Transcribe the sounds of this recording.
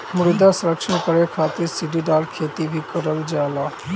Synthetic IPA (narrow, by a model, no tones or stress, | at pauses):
mʊɾd̪asɾəkʃəɳkəɾekʰat̪ɪɾsiɖiɖalkʰet̪ibʱikəɾəʋd͡ʒala